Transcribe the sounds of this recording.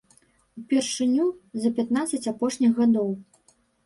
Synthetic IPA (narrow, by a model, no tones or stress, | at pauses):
wpʲɛrʂɨnʲuzɐpʲat̪nat̪sɐt͡sʲapɔʂnʲixɣad̪ɔw